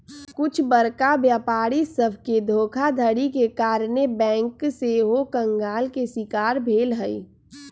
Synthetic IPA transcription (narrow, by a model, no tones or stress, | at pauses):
kʊt͡ʃʰbəɾkabjaːpaːɽisəbʱked̪ʱoːkʰad̪ʱəɽikekaːɾnebɛ̃ːŋkseɦokə̃ŋɡaːlkesɪkaːɾbʱeːlɦəi